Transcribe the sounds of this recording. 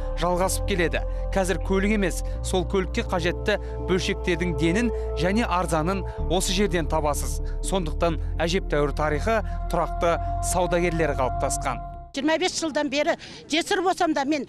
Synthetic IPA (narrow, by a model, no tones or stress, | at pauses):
ʒ̥ɑlˠʁɑsə̥p̚kʲʰe̞le̞d̪ɪ̰ | qʰɑzɪɾkʲʰɵlɪke̞me̞sːo̞lˠkʲʰɵlɪkʲːe̞qʰɑʒe̞t̪ːɪ | bɵlʃe̞k̚t̪e̞ɾd̪ɪŋd̪e̞nɪn | ʒæne̞ʔɑɾzɑnən | wo̞səʒe̞ɾd̪e̞nt̪ʰɑβɑsəz | so̞nd̪əq̚t̪ɑnæʒe̞p̚t̪ʰæwɪɾt̪ʰɑɾijχət̪ʰʊɾɑq̚t̪əsɑwd̪ɑɡʲe̞ɾle̞ɾqʰɑlˠəp̚t̪ʰɑsqɑ̰n | ʒijəɾmɑbe̞sʒ̥əlˠd̪ɑnbe̞ɾɪ | ʒesɪɾbosɑmd̪ɑme̞n